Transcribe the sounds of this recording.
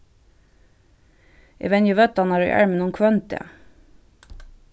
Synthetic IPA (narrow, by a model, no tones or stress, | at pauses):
ʔḛʋɛnjəʋœt̪ɑnɑːɾʉ̰ʔæ̰ɹmənuːnkʰʋœnt̪ḛ